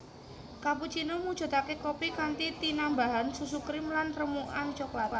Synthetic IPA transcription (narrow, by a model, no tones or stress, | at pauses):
kaput͡ʃinomu̥ʒ̥ɔ̤t̪akekopikant̪it̪inambaɦansus̬ukɾɪmlanɾəmuʔant͡ʃɔklat̪a